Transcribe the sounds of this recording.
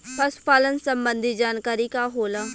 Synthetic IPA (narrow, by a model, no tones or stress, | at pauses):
pɐsʊ̥paːlənsə̃mbə̃nd̪ʱid͡ʒaːnkaːɾikaɦoːla